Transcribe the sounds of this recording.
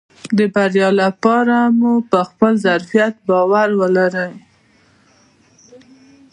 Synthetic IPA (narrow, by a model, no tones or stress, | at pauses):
d̪əbaɾjɑlapɑɾamupəxpəlzaɾfijat̪̚bɑwaɾwəlaɾəj